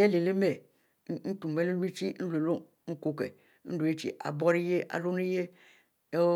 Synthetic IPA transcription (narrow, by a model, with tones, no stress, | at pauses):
e˦le˨le˦me˨˦ | n̩˦tũ˨m˨e˦lo˦i˦t͡ʃi˦n̩˦lo˨lo˦ | ŋ̩˦ko˦kɛ̰˨ | n̩˦ɖo˨je˦t͡ʃḭ˨ʔa̰˨bɔ˦ɾi˦je˦ʔa̰˨lo˦ne˦je˦